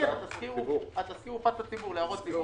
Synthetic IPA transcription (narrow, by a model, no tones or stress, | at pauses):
eʁat̪askiuat̪askiupatat͡sibuʁleaʁot͡si